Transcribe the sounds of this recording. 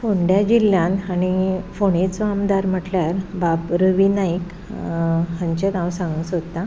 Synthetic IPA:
foɳɖjad͡ʑilːjãnanifoɽ̃et͡sʋamd̪aɾm̤əʈljaɾbapɾəʋinaik | ɦãɲt͡ɕet̪ãwsãŋɡəsott̪a

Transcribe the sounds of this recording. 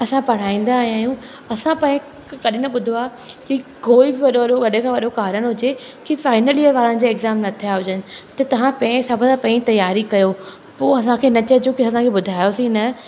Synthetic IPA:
ɐsãpɐɽ̤aːĩːn̆d̪aːɦijaːɦjũ | ɐsãpɐ̃ːɪ̃ | kɐɗɪnɐɓʊd̪ʱoaː | kikoːibɪʋɐɗoɐɗoɡɐɗẽkʰãːʋɐɗokaːɾəɽ̃ɦʊd͡ʑe | kifaːɪnəliəʋaːɾə̃ñd͡ʑaːɪɡzaːmnɐt̪ʰijaɦʊd͡ʑənɪ̆t̪ɐt̪ɐʋ̤ãpɐ̃ɪ̃sɐbʱd̪apɐ̃ĩt̪ɐjaːɾikɐjo | poːɐsãkʰeːnɐt͡ɕəd͡ʑoːkɪɐsãkʰeɓʊd̪ʱaːjosĩnɐ

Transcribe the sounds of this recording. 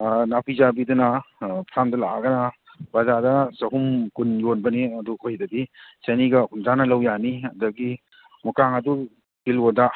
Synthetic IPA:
napʰizabidunɐpʰɾamdɐlaʔɡɐnɐ | bazadɐsɐɦumkunjonbɐniɐdukojdɐbisɐniɡɐkunzanɐlɐwjaniɐdɐɡi | mukaŋɐdu | bilwoda

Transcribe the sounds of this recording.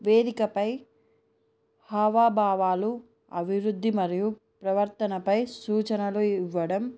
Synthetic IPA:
ʋeːd̪ikɐpɐj | haːʋaːbʱaːʋaːlu | ɐ̰bʱiʋɾud̪ʱːimɐɾiju | pɾɐʋɐɾt̪ɐnɐpɐjsuːt͡ʃɐnɐluiʋːɐɽɐm

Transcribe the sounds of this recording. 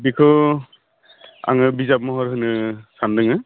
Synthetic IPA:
bikʰɯ | a̰ŋɯbizap̚mɔɦɔɾɦɯnɯsandɯŋɯ

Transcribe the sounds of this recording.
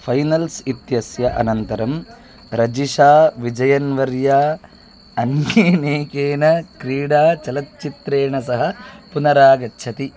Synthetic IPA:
fʰɐjnɐlsit̪jɐsjɐʔɐ̰nɐnt̪ɐɾɐm | ɾɐd͡ʒiʂaːʋid͡ʒɐjɐnʋɐɾjaː | ɐneːneːkeːnɐkɾiːɽaːt͡ʃɐlɐt̪̚t͡ʃit̪ɾeːɳɐsɐɦɐ̆punɐɾaːɡɐtːʃʰɐt̪i

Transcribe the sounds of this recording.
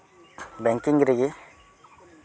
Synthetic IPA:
bɛŋkiŋɡɾeɡi

